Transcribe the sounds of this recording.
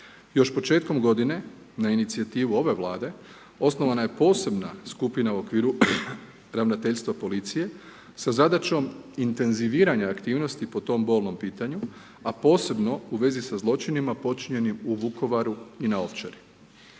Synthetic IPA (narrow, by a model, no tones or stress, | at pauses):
jo̞ʃpo̞t͡ʃe̞ːt̪̚ko̞mɡo̞d̪ine̞ | nainit̪siat̪iːʋuo̞ʋe̞ʋlˠaːd̪e̞ | o̞sno̞ʋanaje̞po̞ːse̞bna̰skupinauo̞kʋiːɾu | ɾaʋnat̪e̞ʎʲst̪ʋapo̞lit̪sije̞ | sazad̪at͡ʃo̞mint̪e̞nziʋiːɾaɲaːkt̪iːʋno̞st̪ipo̞t̪o̞mbo̞ːlˠno̞mpiːt̪aɲu | apo̞ːse̞bno̞uʋe̞zisazlˠo̞t͡ʃinimapo̞t͡ʃiɲe̞nimuʋuko̞ʋaɾuinao̞ʋt͡ʃeɾi